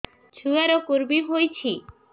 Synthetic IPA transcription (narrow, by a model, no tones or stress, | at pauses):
t͡ʃʰuaɾokuɾmiɦojt͡ɕʰi